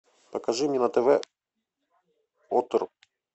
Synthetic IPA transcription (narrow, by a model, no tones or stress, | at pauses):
pɐkɐʐɨmʲeɛnɐt̪ɛvɛ | ot̪or